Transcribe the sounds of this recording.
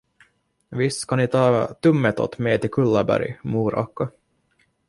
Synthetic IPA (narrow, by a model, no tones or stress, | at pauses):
vɪst̪kʰɑnɪt̪ʰɑːt̪ɵmːɛt̪ɔ̰t̪mɛːt̪ɪlkʰɵlːɑbæ̰ɾjmuːɾɑ̰kːɑ